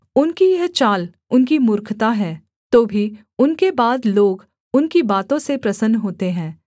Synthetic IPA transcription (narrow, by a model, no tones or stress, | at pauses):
ʊnkijɐɦt͡ʃaːl | ʊnkimʊɾkʰt̪aɦɛː | t̪oːbʱi | ʊnkebaːd̪loːɡ | ʊnkibaːt̪õsepɾɐsənːɦoːt̪eɦɛ̃ː